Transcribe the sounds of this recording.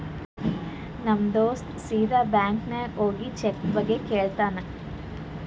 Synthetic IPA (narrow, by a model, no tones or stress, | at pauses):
nɐmd̪oːst̪siːd̪aːbjaːŋkneoːɡit͡ʃekːbɐɡːekeːɭt̪aːnɐ